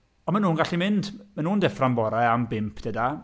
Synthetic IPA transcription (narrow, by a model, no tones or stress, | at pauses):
ɔnmanuːnɡaɬimɪndmanuːndɛframbɔɾaambɪmpʰd̥ɛda